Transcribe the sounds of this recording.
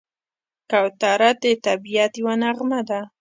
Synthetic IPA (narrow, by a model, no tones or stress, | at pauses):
kawt̪aɾat̪̚d̪et̪abijat̪jwanaɣmad̪a